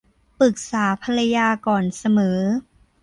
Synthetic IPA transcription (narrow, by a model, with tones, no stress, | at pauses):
pɯ˨˩k̚saː˩˦pʰa˧la˧jaː˧kɔː˨˩nsa˧mɤː˩˦